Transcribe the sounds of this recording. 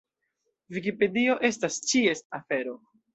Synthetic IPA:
vikipe̞dio̞ʔe̞stast͡ʃie̞stafe̞ɾo̞

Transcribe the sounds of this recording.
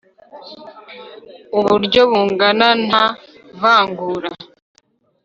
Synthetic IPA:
uβuɾɟo̞βuːŋɡanana | vaːŋɡuːɾa

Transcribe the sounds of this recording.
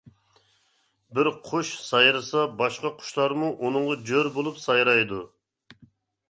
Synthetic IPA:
bɪɾqʰʊʃsɑjɾɨsɑbɑʃqɑqʰʊ̥ʃlˠɑɾmuʔunɨŋʁɑd͡ʒøɾbolˠupsɑjɾɑjd̪u

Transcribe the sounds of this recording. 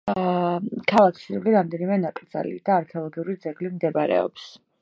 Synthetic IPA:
kʰalˠakʰsiɾvliɾamd̪ɛnimɛnakʼɾd̪za̰lḭd̪̥aːɾkʰɛɔlˠɔɡiuɾid̪zɛɡlimd̪ɛbaɾɛ̰ɔ̰ps

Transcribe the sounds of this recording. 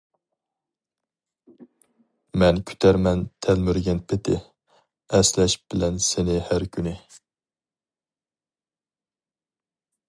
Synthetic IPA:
mɛnkʲʰy̥t̪ʰæɾmɛnt̪ʰɛlmyɾɡʲɛnpʰɪt̪ʰɪ | ɛslɛʃb̥ɪlɛnsɪnɪhæɾkʲʰynɪ

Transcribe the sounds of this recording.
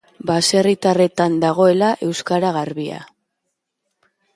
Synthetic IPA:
base̞rit̪are̞t̪and̪aɣ̞o̞e̞laʔe̞wskaɾaɣarβia̰

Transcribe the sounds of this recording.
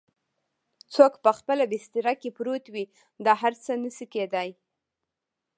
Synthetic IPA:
t͡sokpəxpəlabɪst̪ɪɾakepɾot̪wi | d̪ɑɦaɾt͡sənəsiked̪aj

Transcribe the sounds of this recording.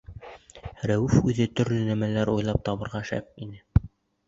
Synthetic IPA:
ɾæwʉfʉðɘt̪ɵ̆ɾlɵnæmælæɾujlˠɑp̚t̪ɑβɤ̆ɾʁɑʃæ̰p̚inɘ

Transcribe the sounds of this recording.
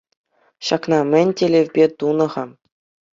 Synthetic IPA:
ɕɑknɑmʲɘ̆nʲtʲelʲevʲbʲet̪unɤ̆ʁɑ

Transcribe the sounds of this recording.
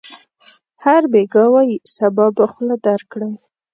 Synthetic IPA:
haɾbeɡɑwɑjisabɑbaxlad̪aɾkɽəm

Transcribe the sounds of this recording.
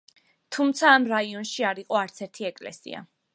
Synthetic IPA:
t̪ʰumt̪sʰaːmɾaiɔnʃiaɾiqʼɔaɾt̪sʰɛɾt̪ʰiɛkʼlɛ̰sḭa̰

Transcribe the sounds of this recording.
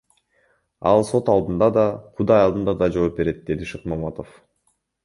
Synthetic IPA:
ɑlˠso̞t̪ɑlˠd̪ɯnd̪ɑd̪ɑqʰud̪ɑjɑld̪ɯnd̪ɑd̪ɑd͡ʒo̞ːp̚be̞ɾe̞t̪̚d̪e̞d̪iʃɯqmɑmɑt̪of

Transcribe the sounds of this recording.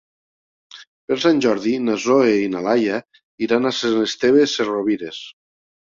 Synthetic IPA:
peɾsanʲʒɔɾðinazoeinalaja | iɾanasenest̪eβeseroβiɾes

